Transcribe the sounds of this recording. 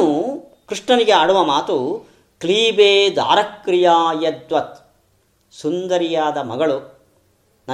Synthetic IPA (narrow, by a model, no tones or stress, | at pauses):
u | kɾiʂɳɐniɡeaːɽuʋɐmaːt̪u | kliːbeːd̪ʱa̰ːɾɐkːɾijaːjɐd̪ʋɐt̪ | sund̪ɐɾijaːd̪ɐmɐ̰ɡɐɭu | nɐ